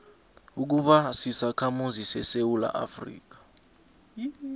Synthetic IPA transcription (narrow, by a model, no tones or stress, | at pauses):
uk̬uɓasisakʰamuzisɛsewula̰ʔa̰frḭːk̬ḁ